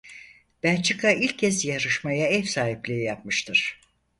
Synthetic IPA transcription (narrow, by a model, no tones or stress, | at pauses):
b̥ænt͡ʃʰɯkʰailʲcʰːɛzjaɾɯʃmajaɛfsaːɦiplʲiijap̚mɯʃt̪ʰɯɾ̥